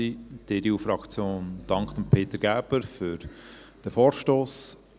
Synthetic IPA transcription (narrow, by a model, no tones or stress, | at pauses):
id̥edeuːfɾɑkt͡sjoːnd̥ɑŋkχd̥̪əmpʰeːt̪əɾɡ̥æːb̥əɾfʏɾ | d̥əfɔːɾʃtoːs